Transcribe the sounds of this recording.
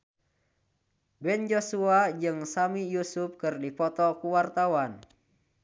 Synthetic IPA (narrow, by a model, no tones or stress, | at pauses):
bɛnd͡ʒosuad͡ʒɨŋsamijusup̚kɨrdipɔt̪ɔkuwart̪awan